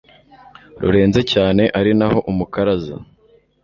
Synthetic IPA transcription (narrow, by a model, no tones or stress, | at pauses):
ɾṵɾe̞ːnze̞caːne̞ʔaɾinaho̞ʔumukaɾaza̰